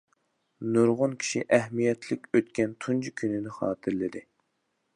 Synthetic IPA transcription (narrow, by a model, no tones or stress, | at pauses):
nuɾʁʊnkʲʰi̥ʃiʔɛɦmijɛt̪ʰlɪkʲøt̪kʲɛnt̪ʰunt͡ʃʰikʲʰynɪnɪχɑ̰ːt̪ʰɨɾlɪd̪ɪ